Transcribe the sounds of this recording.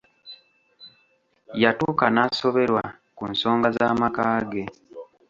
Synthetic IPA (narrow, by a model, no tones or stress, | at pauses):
jatuːkanaso̞βe̞ɾwa | kunso̞ːŋɡazaːmakaːɡe̞